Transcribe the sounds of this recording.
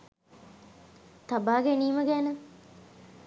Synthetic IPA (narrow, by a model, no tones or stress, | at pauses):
t̪abaːɡeniːməɡɛːnə